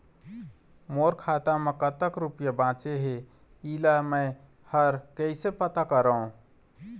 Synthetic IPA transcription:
moɾkʰat̪amekət̪əkɾupjabãt͡ʃeɦe | ilaməj | həɾkəɪsepət̪akəɾəũ

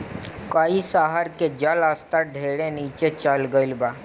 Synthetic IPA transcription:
kaːisaɦaɾked͡ʒaləst̪aɖʱeɽeniːt͡ʃet͡ʃalɡəɪlba

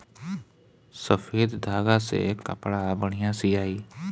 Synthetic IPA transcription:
səfʰeːd̪d̪ʱaːɡasḛkə̰pɽabəɽ̤̃ijãsiaːiː

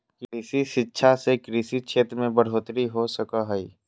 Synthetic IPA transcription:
kɾiːsiʃɪtːʃʰasekɾiːsikt͡ʃʰeːt̪ɾmẽbəɽ̤oːt̪ɾiɦosəkaɦɛiː

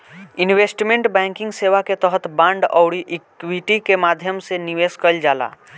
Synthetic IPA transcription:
ɪnweːsʈmẽɳʈbɛ̃ːŋkɪ̃ŋɡseːʋaket̪əɦət̪bãɳɖɔʊɽiʔɪkwiʈikemaːd̪ʱjəmseniʋeːskəld͡ʒaːla̰ː

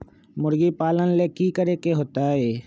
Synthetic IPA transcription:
mʊɾɡipaːlənleːkikəɾeːkeɦoːt̪aɦeː

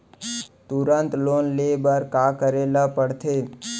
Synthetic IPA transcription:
t̪uɾənt̪lonlebəɾkakəɾelapəɽt̪ʰe

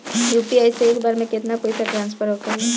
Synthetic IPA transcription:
juːpiajseeːkbaːɾmẽkɪt̪nakoːisaʈɾãːnspʰəɾɦokɐɾie

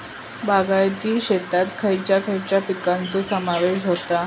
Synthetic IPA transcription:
baɡajt̪iːɕet̪at̪kʰəjt͡ɕjakʰəjt͡ɕjapikant͡sosəmaʋeɕɦot̪a

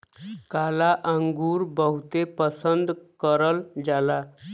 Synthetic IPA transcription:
kalaʔəŋɡuːɾbəɦut̪epəsənd̪kəɾəld͡zala

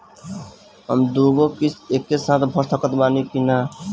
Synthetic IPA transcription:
ə̰md̪uːɡokisekːesãːt̪bʱʌɾt̪ʰəkət̪baːnikina

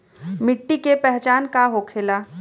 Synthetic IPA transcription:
mɪʈːikepɛɦt͡ʃaːnkaɦokʰelaː

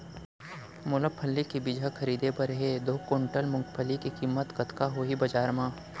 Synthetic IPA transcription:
mʊləpʰːəlːikibɪd͡ʒʱakʰɐɾiːd̪epɐɾɦed̪oːkoːɳʈəlmʊ̃ŋkpʰəlːikikiːmːət̪kɐt̪kaɦoibɐd͡ʒaːɾmãː

